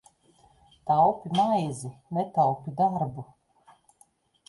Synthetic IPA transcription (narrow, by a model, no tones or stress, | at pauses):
t̪awpʲimajzinet̪awpʲid̪aɾbu